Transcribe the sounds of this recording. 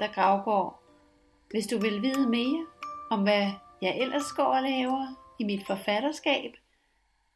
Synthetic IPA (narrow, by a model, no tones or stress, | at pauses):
d̥ɑ̈ɡ̥ʁɑ̈ʊɡ̥ɒ̰ː | ʋe̝sd̥uʋe̝lʋiːð̞ˠəme̝ːɐɒ̽mʋæjɑ̈ɪʔel̰ɐsɡ̥ɒ̰ːlɛːʊɐimid̥fɒ̽fæɾ̥ɐsɡ̥ɛ̰ːb̥